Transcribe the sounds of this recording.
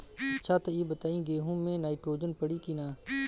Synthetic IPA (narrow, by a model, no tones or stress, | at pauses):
ɐːt͡ʃʰat̪ojebət̪aːĩɡeːɦũmẽnaːɪʈɾoːd͡ʒənpəɽikinaː